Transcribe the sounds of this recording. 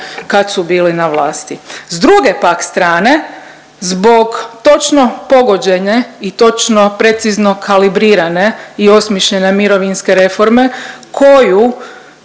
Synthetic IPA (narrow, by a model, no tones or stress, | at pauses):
kad̪subiːlinaʋlˠaːst̪izd̪ɾuɡe̞pakst̪ɾaːne̞ | zbo̞ɡt̪o̞t͡ʃno̞po̞ɡo̞d͡ʑe̞ɲeit̪o̞t͡ʃno̞pɾe̞t̪sizno̞kʰalibɾiːɾane̞io̞smʲjeʃʎene̞miɾo̞ʋinskeɾe̞fo̞ɾme̞kʰo̞ju